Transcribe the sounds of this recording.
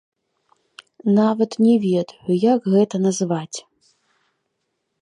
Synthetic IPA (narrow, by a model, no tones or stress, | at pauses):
navɐt̪nʲɛvʲɛd̪ɐjujakɣɛt̪ɐnɐzvat͡sʲ